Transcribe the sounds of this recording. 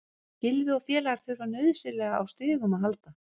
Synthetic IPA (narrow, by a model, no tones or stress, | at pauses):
cɪlvɪɔfjɛːlaɣaɾ̥θʏɾvanœɥðsɪlɛɣaa̰wst̪ʏːɣʏmaðɦalt̪a